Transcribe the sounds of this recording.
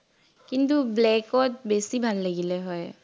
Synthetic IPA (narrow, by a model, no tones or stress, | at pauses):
kintublɛkɔt̚besibʱalːaɡilɛɦɔj